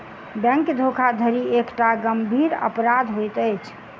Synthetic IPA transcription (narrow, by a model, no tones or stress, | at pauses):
bɛ̃ŋkd̪ʱokʰad̪ʱəɾiekʈaɡəmbʱiɾə̰pɾad̪ʱɦojt̪əjt͡ʃʰ